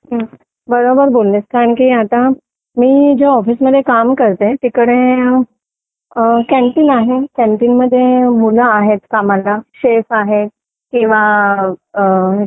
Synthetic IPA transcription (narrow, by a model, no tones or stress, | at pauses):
ɦə | bəɾobəɾbolleskaɾəɳkiat̪a | miːd͡ʑeɔfiːsməd̪ʱːjekamkəɾt̪et̪ikəɽe | kɛmʈiːnaɦekɛ̃mʈiːnməd̪ʱːjemulaːɦet̪kamalaɕefaɦe | kĩw̃ʋa